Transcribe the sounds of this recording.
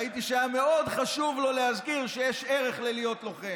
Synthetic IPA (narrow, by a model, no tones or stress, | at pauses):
it̪iʃame̞o̞d̪χaʃuvlo̞lehazkiʁʃejeʃe̞ʁe̞χlelijo̞t̪lo̞χe